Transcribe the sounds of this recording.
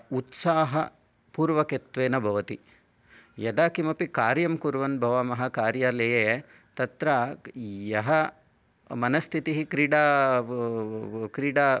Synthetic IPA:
ut̪saːɦɐ | puːɾʋɐket̪ʋeːnɐbʱɐʋɐt̪i | jɐd̪aːkimɐpikaːɾjɐmkuɾʋɐnbʱɐʋamɐɦɐkaːɾjaːlɐjeː | t̪ɐt̪ɾajjɐɦɐ | mɐnɐst̪ʰit̪iɦikɾiːɖaː | kɾiːɖaː

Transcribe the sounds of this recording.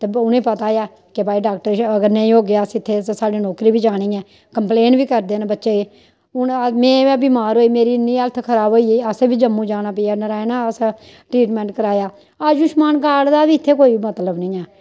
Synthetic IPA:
t̪eːʊnẽːpət̪aːjaː | kebaːiːɖaːk̚ʈəɾəɡəɾnə̃ĩːɦoːɡɪjaːsɪt̪ʰːeːt̪ːsaːɖeːnɔːkɾiːbiːd͡ʒaːɽ̃ĩːɛ̃ː | kəmpleːnbiːkəɾd̪eːnbətːʃeː | ʊnmẽːɛːbiːmaːɾɦoːiːmeːɾiːnːĩːəlt̪ʰkʰəɾaːbɦoːiːeːəseːbiːd͡ʒəmːũːd͡ʒaːñaːpəiːjaːnəɾaːenaːəs | ʈɾiːʈmɛ̃ːɳʈkəɾaːjaː | aːd͡ʒʊʃmaːnkaːɽd̪aːbiːɪt̪ʰːeːkoːiːmət̪ləbnɪ̃ːɛː

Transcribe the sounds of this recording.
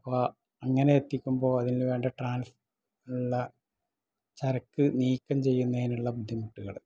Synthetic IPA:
ɐpːoː | ɐŋːɐneet̪ːikʲːumbo̞ːɐðinilʋe̞ːɳɖɐʈraːns | uɭːɐ | t͡ɕɐrɐkːɨniːkʲːɐmt͡ɕe̞jːunːɐinuɭːɐbud̪ʱːjimuʈːuɣɐɭ

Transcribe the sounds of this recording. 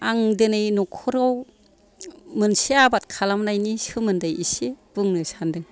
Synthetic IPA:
aŋdɯnɯjnɔkʰɔɾɔw | mɯnseabat̚kʰalamnajnisɯmɯndajiseb̥ɯŋnɯsandɯŋ

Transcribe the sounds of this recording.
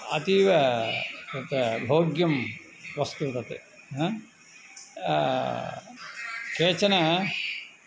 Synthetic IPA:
ɐ̰t̪iʋɐt̪ɐt̪ɐbʱoːɡjɐm | ʋɐst̪ut̪ɐt̪ḛ | ɦ | keːt͡ʃɐnɐ

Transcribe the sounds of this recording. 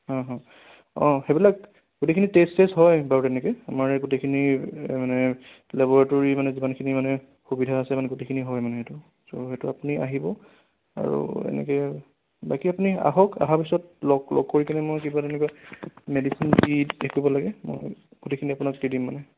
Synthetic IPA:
hɔ̃ɦɔ̃ | ɔ̰̃xebilak̚ | ɡ̥utekʰinitesesɦɔjbaɹutɛnɛkɔjamaɹɡutekʰinimanɛ | lɛbɔɹatɔɹimanɛzibankʰinimanɛ | xubidʱaːsɛmanɛɡutekʰiniɦɔjmanɛɦetʊ | sohetuapuniʔa̰ɦibɔ | a̰ɹṵɛ̰nɛ̰kɛ | bakiapunia̰ɦɔka̰ɦapisɔt̚lɔɡlɔ̰ɡ̚kːoɹikanɛmojkebatɛnɛk̬wamedisindidekibɔlaɡɛmo̰jɡ̥utekʰiniapunaktidimːanɛ

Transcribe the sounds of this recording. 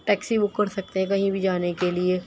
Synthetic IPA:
ʈɛːksiʋʊkːɐɾsɐk̚t̪eɦɛ̃k̬ɐɦĩbʱid͡ʒaːnekelie

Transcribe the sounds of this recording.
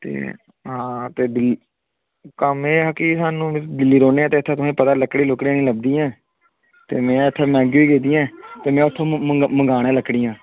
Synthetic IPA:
t̪ḛː | ɦãːt̪eːd̪ɪl | kəmeːɦakisaːnũːd̪ɪlːiːɾoːneːãːt̪eːt̪ʰːẽːʊsãĩːpət̪aːləkːɽiːlʊkɽiãːnĩːləb̚d̪iːɛ̃ː | t̪ḛːmɛ̃ːət̪ʰːẽːmɛ̃ːɡjiːɡeːd̪iːɛ̃ːt̪eːmɛ̃ːʊt̪ʰːõːməŋɡaːɽẽːləkːɽiːãː

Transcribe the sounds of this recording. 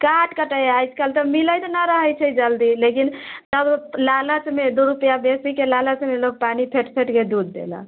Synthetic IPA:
kaʈkəʈəjajt͡ʃʰkəlt̪əmiləjt̪ənaɾəɦəjt͡ʃʰɛd͡ʒəld̪ilekint̪əblalət͡ʃmed̪uɾupjabesikelalət͡ʃmeloɡ̚panipʰeʈpʰeʈked̪ud̪̚ːḛla̰

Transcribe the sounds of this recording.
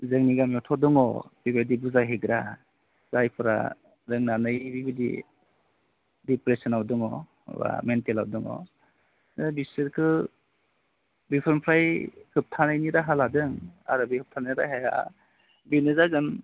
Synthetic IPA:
zɯŋniɡamjetʰɔdɯŋɔ̰bibedibuzajɦeɡɾa | z̥ajpʰɯɾa̰ | ɾɯŋnanɯjbibidḭ | dipɾesɔnawdɯŋɔ | ba̰mentela̰wdɯŋɔ̰ | nɯbisɯɾkʰɯ | bipʰɯɾmpʰɾajhɯp̚tʰanajniɾaɦaladɯŋa̰ɾɯbihɯp̚tʰaniɾaɦeja̰ | binɯzaɡɯn

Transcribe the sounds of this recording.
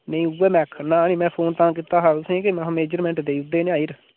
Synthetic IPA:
nəĩːuweːmɛ̃ːkʰnãːnĩːmɛ̃ːpʰoːnt̪ãːkiːt̪aːɦãːt̪ʊsẽːkemãmeːd͡ʒəɾmɛ̃ːɳʈd̪eːʊd̪ːeːnẽaːiːɾ

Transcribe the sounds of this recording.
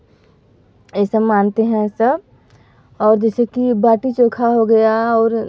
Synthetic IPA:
esəbmaːnt̪eɦɛ̃sɐb | ɔːɾd͡ʒɛːsekibaːʈit͡ʃõːkʰaɦoɡɐjaɔːɾ

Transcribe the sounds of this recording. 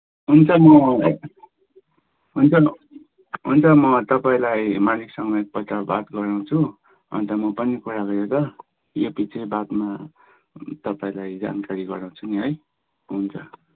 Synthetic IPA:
ɦunt͡sʰʌmʌ | ɦunt͡sʰʌ | ɦunt͡sʰʌmʌt̪ʌpaĩlajmaliksʌŋɡʌek̚pʌt̪aba̰t̪ɡʌɾaw̃t͡sʰu | ʌ̰nt̪ʌmʌpʌnikuɾaɡʌɾjot̪ʌ | jopit͡sʌĩbat̪ma | t̪ʌpaĩlajd͡za̰nkaɾiɡʌɾãw̃t͡sʰuniɦʌj | ɦunt͡sʰʌ

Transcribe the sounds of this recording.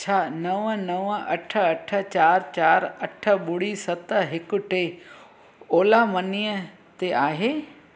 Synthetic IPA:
t͡ɕʰaːnɐʋnɐʋɐʈʰə̆ɐʈʰə̆t͡ɕaːɾt͡ɕaːɾɐʈʰə̆ɓʊɽisɐt̪ə̆ɦɪkʊ̆ʈe | oːlamɐniːjə | t̪eʔaːɦeː

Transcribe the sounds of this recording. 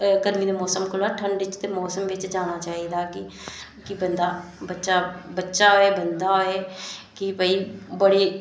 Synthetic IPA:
ɡəd̪miːd̪eːmɔːsəmkʰʊlaːʈʰəɳɖɪt͡ʃt̪eːmɔːsəmʋɪt͡ʃd͡ʒaːɽ̃aːt͡ʃaːiːd̪aːkɪ | kɪbənd̪aːbətːʃaːbətːʃaːɦoːeːbənd̪aːɦoːeːkɪpəiːbəɽeː

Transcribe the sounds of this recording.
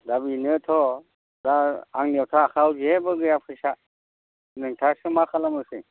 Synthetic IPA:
dabinɯt̪ʰɔ | daaŋnewtʰaːkʰawziebɯɡɯjapʰɯjsa | nɯŋtʰasɯmakʰalamɯsɯ

